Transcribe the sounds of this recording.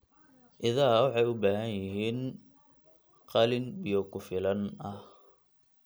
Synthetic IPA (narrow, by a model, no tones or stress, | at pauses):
ʔɪðaːwɑħɑjʊbaːɦɐnjɪɦiːn | qɑlɪnbɪjɔkʰʊfɪlɐnɐh